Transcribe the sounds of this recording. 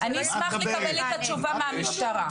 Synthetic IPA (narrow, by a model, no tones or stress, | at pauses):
ʔaniismaχleabelitat͡ʃuvameamiʃt̪aʁa